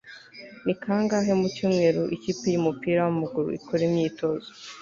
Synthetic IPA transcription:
nikʰaːŋɡaɦe̞mucuːmŋe̞ːɾuʔiciːpejumupiːɾawamaɡuɾṵḭkʰoɾemɲiːto̞zo

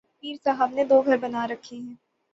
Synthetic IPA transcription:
piːɾsaɦəbned̪oːɡʱɐɾbɐnaɾɐkʰeɦɛ̃ː

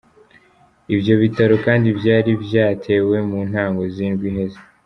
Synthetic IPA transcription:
ibjo̞βitaɾokaːndiβjaːɾibjaːtʰe̞ːwe̞muːn̥haːŋɡo̞ziːnɡwiɦe̞ze

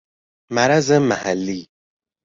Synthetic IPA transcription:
maɾazəmahalːi

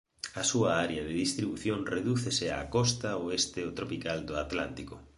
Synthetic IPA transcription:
ɐsuaaɾeaðeðist̪ɾiβuθjoŋreðuθesea̰kɔst̪aoest̪eot̪ɾopikald̪ʊat̪lant̪iko

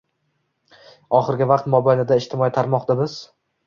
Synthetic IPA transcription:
ɒχɨɾɡʲɪvaqt̪mɒbajnɪd̪aɪʃt̪ʰɪmɒit̪ʰaɾmɒqd̪abɪz̥

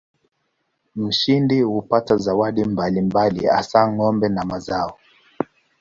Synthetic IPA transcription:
m̩ʃindihupatazawaɗimbalimbalḭa̰saŋɔmbɛnamazaɔ

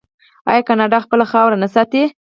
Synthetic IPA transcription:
ɑ̰jɑkɑnɑɖɑxpəlaxɑwɾanasɑt̪e

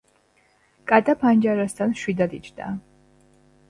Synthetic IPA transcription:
kʼat̪ʼapʰand͡ʒaɾast̪ʰanʃwid̪ad̪it͡ʃʰd̪a̰

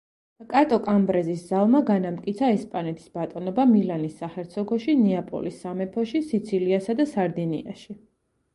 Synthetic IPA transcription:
kʼat̪ʼɔkʼambɾɛzisz̥alˠmaɡanamt̪kʼit̪sʰaɛspʼanɛt̪ʰi̥sb̥at̪ʼɔnɔbamilanisːaχɛɾt̪sʰɔɡɔʃiniapʼɔ̰lisːamɛpʰɔʃisit̪sʰiliasad̪asaɾd̪inḭa̰ʃi

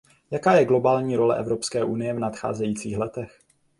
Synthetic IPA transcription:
jakaːjɛɡlo̞baːlɲiːɾo̞lɛ̰ʔɛvɾo̞pskɛːʔunɪjɛvnat̪xa̰ːzɛjiːt͡siːxlɛt̪ɛx

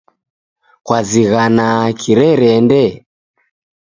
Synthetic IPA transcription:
kwaziɣanakʰiɾɛɾɛndɛ

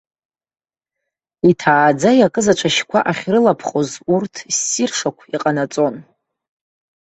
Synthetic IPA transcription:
itʰaːd͡zajakʼɨzat͡ʃʷʼʰaʃkʷʰa̰ʔaχʲrɨlapʰχo̞zurtʰsːirʂakʷʰiqʼanat͡sʼo̞n

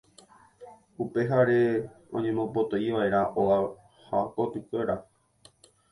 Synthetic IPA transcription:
upe̞ɦaɾe̞ | õ̞̰ɲẽ̞mõ̞po̞t̪o̞iʋae̞ɾaʔoa | hako̞t̪ɨkʷe̞ɾa

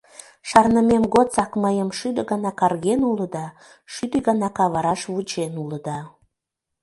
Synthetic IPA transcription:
ʃɑrnəmemɣott͡sɑkməjəmʃyd̪ə̆ɣɑnɑkɑrɣenuləd̪ɑ | ʃyd̪əɣɑnɑkɑβɑɾɑʃβut͡ɕenuləd̪ɑ

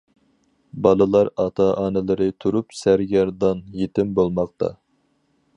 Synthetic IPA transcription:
bɑlˠɨlˠɑɾɑt̪ʰɑʔɑːnɨlˠɨɾɨt̪ʰuɾupsæɾɡʲɛɾd̪ɑnjet̪ɪmbolˠmɑq̚t̪ʰɑ̰

